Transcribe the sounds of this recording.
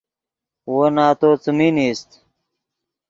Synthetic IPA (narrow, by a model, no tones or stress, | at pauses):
wonaːt̪oːt͡səminist̪